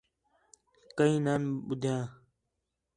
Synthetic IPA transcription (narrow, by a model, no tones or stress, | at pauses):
kəĩːnaːnɓʊd̪ʱjãː